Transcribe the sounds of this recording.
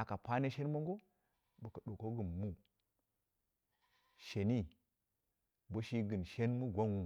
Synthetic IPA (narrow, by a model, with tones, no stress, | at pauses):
a˨ka˨pa˦ne˦ʃe˦nmo˦ŋɡo˦ | bə˨kə˨ɗo˨ko˦ɡɨ˨nmu˦ | ʃe˨ni˦ | bo˦ʃi˦ɡɨ˨nʃe˦nmu˦ɡʷa˦nwu˨